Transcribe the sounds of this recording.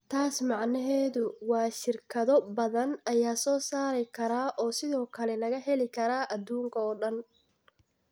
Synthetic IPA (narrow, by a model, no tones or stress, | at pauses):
t̪ʰaːsmɑʕnɐɦɛːðʊwɑːʃɪrkʰɐðɔbɐðɐnɐjaːsɔːsaːɾɛjkʰɐɾaːʔɔːsɪðɔːkʰɐlɛlɐɣɐɦɛlɪkʰɐɾaːʔɐd̪uːŋkʰɐɔːɖɐn